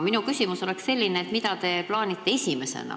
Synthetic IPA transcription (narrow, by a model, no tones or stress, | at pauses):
minukysʲimuso̞le̞ksse̞lʲːineːt̪mid̪ɑt̪e̞plɑːnit̪ːe̞esʲime̞sḛnɑ̰